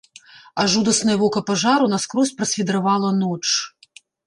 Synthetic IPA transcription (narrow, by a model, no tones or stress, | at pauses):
aʐud̪ɐsnɐjɐvɔkɐpaʐaɾunaskɾɔsʲpɾɐsʲfʲid̪ɾavalˠɐnɔt͡ʂ